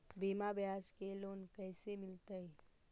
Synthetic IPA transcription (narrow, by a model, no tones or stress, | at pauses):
bʱimabjaskelonkəjsemɪlt̪əj